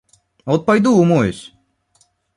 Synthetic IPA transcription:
ɔt̪̚pajd̪uːmojsʲ

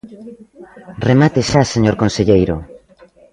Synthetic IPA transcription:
remat̪eʃaseɲoɾkonseʎejɾo̰

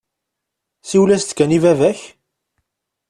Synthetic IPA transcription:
siwlæst̪kːænivævæç

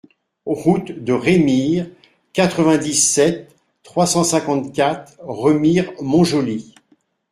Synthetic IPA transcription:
ʁut̪d̪əʁemiʁ | kat̪χəvɛ̃d̪isɛt̪ː | χwasɑ̃sɛ̃kɑ̃t̪kʲat̪χʁəmiʁmɔ̃ʒoli

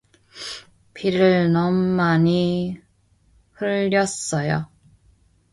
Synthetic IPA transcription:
pʰiɾɯɭnʌmːaɲi | hɯɭːʌs͈ʌjo̰

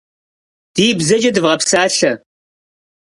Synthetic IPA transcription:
d̥iːbzɐd͡ʒʼɐdɨvʁɐpsaːɬɐ

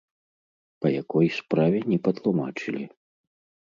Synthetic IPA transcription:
pɐjakɔjspɾavʲɛnʲɛpɐt̪lˠumat͡ʂɨlʲi

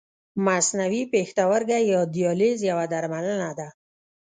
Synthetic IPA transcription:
masnawipext̪awaɾɡajɒd̪ijɔlizjawad̪aɾmalanad̪a

